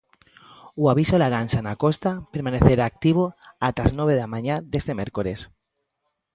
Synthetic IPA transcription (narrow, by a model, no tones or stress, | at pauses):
uaβ̞isolaɾansanakost̪apeɾmaneθeɾaːk̚t̪iβ̞oat̪aznoβ̞eðamãɲaðest̪emeɾkoles